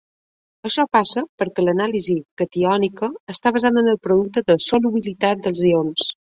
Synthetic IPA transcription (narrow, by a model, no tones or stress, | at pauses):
əʃɔpasəpəɾkɛlənalizikət̪iɔnikəːst̪aβəzaðənəlˠpɾuðuk̚t̪əðəsoluβilit̪at̪̚d̪əlˠzions